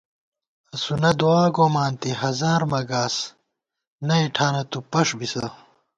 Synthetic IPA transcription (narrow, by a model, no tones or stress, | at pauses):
ɐsunɐd̪uaːɡoːmaːnt̪iɦɐzaːɾmɐɡaːs | nɐiʈʰaːnɐt̪upɐʂbisɐ